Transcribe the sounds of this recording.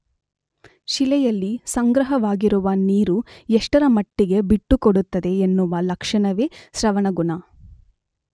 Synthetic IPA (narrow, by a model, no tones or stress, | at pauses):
ʃilɛjɐlːisɐŋɡɾɐɦɐʋaːɡiɾuʋɐniːɾueʂʈɐɾɐmɐʈːiɡe̞biʈːukoɽut̪ːɐd̪e̞ːnːuʋɐlɐkʂɐɳɐʋeːʃɾɐʋɐɳɐɡuɳɐ